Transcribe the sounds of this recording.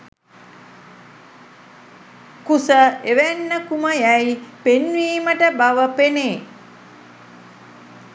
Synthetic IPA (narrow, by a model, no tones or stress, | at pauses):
kusəeʋænːəkuməjæjpenʋiːməʈəbaʋəpeneː